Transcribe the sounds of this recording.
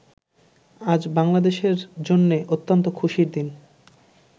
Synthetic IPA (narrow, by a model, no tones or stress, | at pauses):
ad͡ʑbaŋlad̪eʃeɾd͡ʑonːeʔot̪ːont̪okʰuʃiɾd̪in